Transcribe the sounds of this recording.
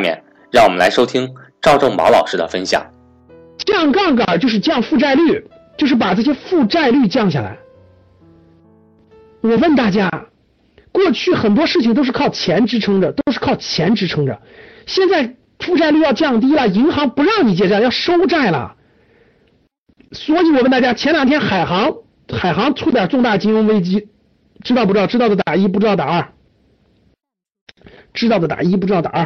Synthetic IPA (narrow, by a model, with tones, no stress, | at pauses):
mjɛ̰˧˩n | ɻɑ˥˩ŋwɔ˨mə˦nla˧˥ɪʂo˥ʊt̪ʰi˥ŋʈ͡ʂɑ˥˧ʊʈ͡ʂɤ˥˩ŋmɑ̰˧˥ʊlɑ˨˩ʊʂɻ̩˥d̪ə̰˨fə˥nɕjɑ̰˨˩˦ŋ | t͡ɕjɑ˥˧ŋkɑ˥˩ŋkə˞˨˩t͡ɕjo˥˧ʊʂɻ̩˥˧t͡ɕjɑ˥˧ŋfu˥˧ʈ͡ʂa˥˧ɪly˥˩ | t͡ɕjo˥˧ʊʂɻ̩˥˩pa˨˩ʈ͡ʂɤ˥˩ɕjɛ˥fu˥˧ʈ͡ʂa˥˧ɪly˥˧t͡ɕjɑ˥˧ŋɕja̰˥˩la̰˧˥ɪ | wɔ˨˩wə˥˩˧nt̪a˥˩t͡ɕja˥ | kwɔ˥˧t͡ɕʰy˥˩xə˨˩nt̪wɔ˥ʂɻ̩˥˩t͡ɕʰi˩ŋt̪̬o˥ʊʂɻ̩˥˧kʰɑ˥˩ʊt͡ɕʰjɛ˧˥nʈ͡ʂɻ̩˥ʈ͡ʂʰɤ˧˥ŋdə˨t̪o˥ʊʂɻ̩˥˩kʰɑ˥˩ʊt͡ɕʰjɛ˧˥nʈ͡ʂɻ̩˧˥ʈ͡ʂʰɤ˧˥ŋʈ͡ʂə̰˨ | ɕjɛ˥˧nt͡sa˥˩ɪ | t̪ʰu˥˧ʈ͡ʂʰa˥˧ɪly˥˧jɑ˥˧ʊt͡ɕjɑ˥˩ŋt̪̬i˥lə˨i˧˥ŋxɑ˧˥ŋpu˧˥ɻɑ˥˩ŋni˨˩t͡ɕjɛ˥˩ʈ͡ʂa˥˩˦jɑ˥˩ʊʂo˥ʊʈ͡ʂa˥˩ɪlə̰˩ | swɔ˧˥i˧˥wɔ˨˩wə˥˧nt̪a˥˩t͡ɕja˥t͡ɕʰjɛ˧˥nljɑ˨˩ŋt̪ʰjɛ˥nxa˨˩ɪxɑ˧˥ŋ | xa˨˩ɪxɑ˧˥ŋt͡sʰu˥t̪ja˨˩ʈ͡ʂʊ˥˧ŋt̪a˥˩t͡ɕi˥ŋɻʊ˥ŋwe˥ɪt͡ɕi˥ | ʈ͡ʂɻ̩˥ɑ˥˧p̩̪˧˥˧ɻ̩˥ɑ˥˩ʊd̪ə˩t̪a˨˩i˥p̬u˥˩ʈ͡ʂɻ̩˥t̪ɑ˥˩t̪a̰˨˩ə˞˥˩ | ʈ͡ʂɻ̩̬˥ɑ˥˩ʊd̪ə˩t̪a̰˨˩i˥p̬ɻ̩˧˥t̪ɑ˥˩t̪a˨˩ə˥˩